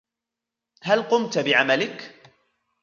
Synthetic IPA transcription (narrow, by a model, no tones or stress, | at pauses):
halqʊmt̪bɪʕamalɪk